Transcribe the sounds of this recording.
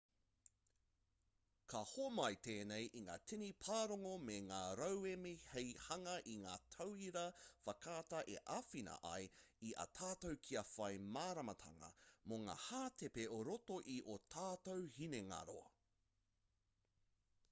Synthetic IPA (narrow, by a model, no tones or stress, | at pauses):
kʰɐhomɐjteːnejʔiŋa̰ːtʰinipʰaːɾoŋomeŋaːɾɐwemihejhɐŋɐʔiŋaːtʰɐwiɾɐfɐkʰaːtɐʔeʔɐfinɐ̰ʔɐ̰jiʔɐ̰tʰaːtowkʰiɐfɐjmaːɾɐmɐtʰɐ̰ŋɐ̰moŋa̰ːhaːtʰepeoɾotoʔiʔotʰaːtowhineŋa̰ɾo̰